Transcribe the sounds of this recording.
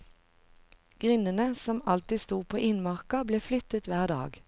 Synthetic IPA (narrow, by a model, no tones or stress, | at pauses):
ɡ̥ʁɪnənəsɔmɑlt̪ɪst̪uːpʰoːʔɪnmɑʁkɑbleːflʏt̪ət̪ʋæːʁd̪ɑ̰ːɡ